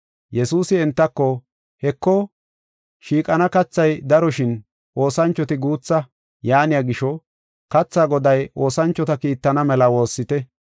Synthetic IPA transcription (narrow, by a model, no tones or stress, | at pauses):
jɛsuːsɪɛnt̪ːɐkːɔ | hɛkːɔ | ʃiːkʼɐnɐkɐt͡sːɐjd̪ɐɾɔʃɪn | ʔo̞ːsɐnt͡ʃːɔt̪ɪɡuːt͡sːɐ | jaːnɪjaɡɪʃɔ | kɐt͡sːaːɡɔd̪ɐjʔo̞ːsɐnt͡ʃːɔt̪ɐkiːt̪ːɐnɐmɛlɐwo̞ːsːɪt̪ɛ